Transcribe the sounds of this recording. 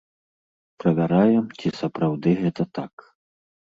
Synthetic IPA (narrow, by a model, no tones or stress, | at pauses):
pɾɐvʲaɾajɛmt͡sʲisɐpɾawd̪ɨɣɛt̪ɐt̪ak